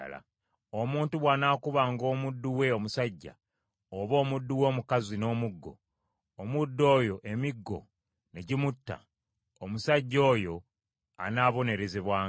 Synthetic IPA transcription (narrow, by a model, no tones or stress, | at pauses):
la̰ | omuːntuβwaːnaːkuβaːŋɡo̞ːmudːuwe̞o̞musaɟːa̰ | oβo̞ːmudːuwo̞ːmukazino̞ːmuɡːo̰ː | mudːo̞ːjo̞ʔe̞miɡːo̞̰ | ne̞ɟimutːa̰ː | musaɟːo̞ːjo̞ | a̰naβo̞ne̞ɾe̞ziβwaː